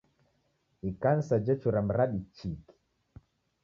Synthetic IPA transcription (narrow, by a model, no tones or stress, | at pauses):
ikansad͡ʒɛt͡ʃuɾam̩ɾaɗit͡ʃiki̥